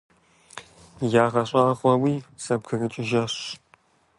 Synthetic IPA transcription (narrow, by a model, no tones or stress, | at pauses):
jaːʁɐɕʼɑːʁʷʼɐwiːsɐb̚kʰɨrɨt͡ʃʼɪʒɐɕ